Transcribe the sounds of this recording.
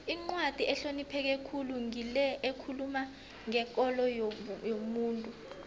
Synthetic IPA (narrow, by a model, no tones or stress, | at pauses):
iŋ͡ǀwad̥ʱiʔɛɬonipʰɛk̬ekʰuluŋilɛekʰuluma | ŋɛk̬ʼɔlɔjjomuːntʼu